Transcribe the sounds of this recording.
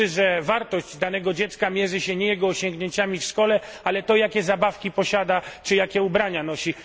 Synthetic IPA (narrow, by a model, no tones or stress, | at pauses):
ɘʐɛvaɾt̪ɔʑd͡ʑd̪anɛɡɔd͡ʑɛt̪skamʲjɛʐɘɕɛɲɛjɛɡɔːɕɔŋɡɲeɲt͡ɕamʲifʂkɔlɛ | alɛt̪ɔjakʲɛzabafkʲipɔɕad̪at͡ʂɨjakʲɛubɾaɲanɔɕi